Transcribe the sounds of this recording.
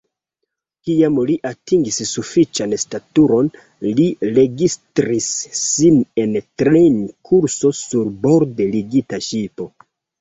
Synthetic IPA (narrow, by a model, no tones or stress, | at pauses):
kiamliʔatiŋɡissufit͡ʃanstatuɾo̞n | liɾe̞ɡistɾisːine̞ntɾenkʰuɾso̞suɾbo̞ɾdeliɡitaʃipo̞